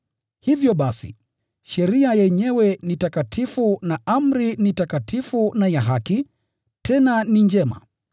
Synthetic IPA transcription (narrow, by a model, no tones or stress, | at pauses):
hivjɔɓasḭ | ʃɛɾiajɛɲɛwɛnitakatʰifunaʔam̩ɾinitakatʰifunajaɦaki | tʰɛnanind͡ʒɛma̰